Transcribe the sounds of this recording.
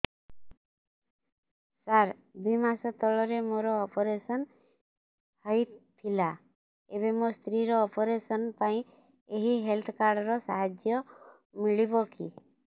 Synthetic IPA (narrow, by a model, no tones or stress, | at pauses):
saɾ | d̪ujmasɔt̪ɔɭɔɾemoɾɔːpɔɾesɔn | hɔjt̪ʰila | eβemɔst̪ɾiɾɔːpɔɾesɔnpaĩ | eɦiɦelt̪ʰkaɾɖɔɾɔsaɦad͡ʒjɔ | miɭibɔkḭ